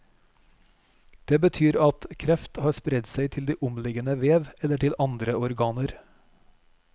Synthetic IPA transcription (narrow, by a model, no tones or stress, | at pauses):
d̪̥eːbət̪ʰyːɾɑt̪kʰɾɛft̪hɑːspɾɛd̪sæɪt̪ʰɪld̪iːʔʊmlɪɡənəʋeːʋɛləʈɪlʔɑnd̪ɾəɔɾɡɑːnəɾ